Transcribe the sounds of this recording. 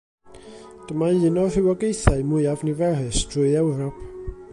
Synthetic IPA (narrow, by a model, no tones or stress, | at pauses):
d̥əmaɨnɔr̥ɨwɔɡejθaɨmʊɨavnivɛrɨstʰrʊɨɛwɾɔpʰ